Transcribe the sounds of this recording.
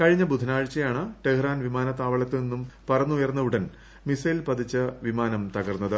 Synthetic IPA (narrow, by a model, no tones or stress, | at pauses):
kɐɻiɲːɐbud̪ʱːɐnaːɻt͡ɕːɐjaːɳɨʈehraːnʋimaːnɐt̪ːaːʋɐɭɐt̪ːɨninːumpɐrɐnːuujɐrnːɐuɽɐn | misɐjilpɐd̪ʱit͡ɕːɨʋimaːnɐmt̪ɐɣɐrnːɐðɨ